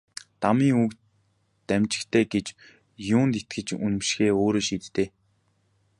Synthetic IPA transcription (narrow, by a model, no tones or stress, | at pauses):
t̪amiːŋuk | t̪æmt͡ɕɪ̆kt̪ʰeːɡet͡ɕ | jʊːnt̪et̪ɡɘ̆t͡ɕunɘ̆mʃxeːoːɾoːʃiːt̪t̪eː